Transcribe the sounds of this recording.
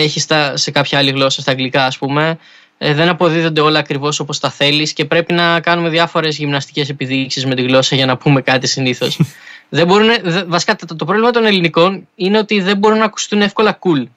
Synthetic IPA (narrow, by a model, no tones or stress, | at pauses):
eçist̪ɐse̞kɐpçɐɐliɣlo̞sɐst̪ɐːŋɡlikɐːspume̞ | ðe̞nɐpo̞ðiðo̞nd̪e̞o̞lɐːkɾivo̞so̞po̞st̪ɐθe̞lisce̞pɾe̞pinɐkɐnume̞ðʝɐfo̞ɾe̞zʝimnɐst̪i̥ce̞sepiðiksizme̞t̪iɣlo̞sɐʝɐnɐpume̞kɐt̪isiniθo̞sðe̞bo̞ɾuneðvɐsi̥kɐt̪t̪t̪o̞pɾlimɐt̪o̞ne̞liniko̞nine̞o̞t̪iðe̞mbo̞ɾunɐːku̥st̪une̞fkolɐkul